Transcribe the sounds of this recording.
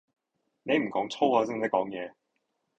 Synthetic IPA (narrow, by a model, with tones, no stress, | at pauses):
ne˨˧jm̩˨˩kɔː˨˥ŋt͡sʰo˥waː˧si˥ŋ˥˨t̪kɔː˨˥ŋjɛː˨˧